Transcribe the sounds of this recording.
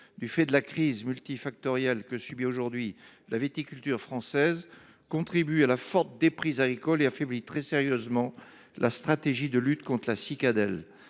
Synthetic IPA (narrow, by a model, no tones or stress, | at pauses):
d̪yfɛd̪əlakχizmylt̪ifak̚t̪ɔʁjɛlkəsybioʒuʁd̪ɥi | lavet̪ikʲylt̪yʁfχɑ̃sɛz | kɔ̃t̪χibyalafɔʁt̪əd̪epχizaɡʁikɔleafɛblit̪χɛseʁjøzmɑ̃ | lʔast̪χat̪eʒid̪əlyt̪kɔ̃t̪χlasikad̪ɛl